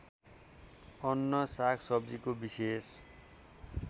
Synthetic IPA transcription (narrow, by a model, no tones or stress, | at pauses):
ʌnːʌsakʰsʌbd͡zikobises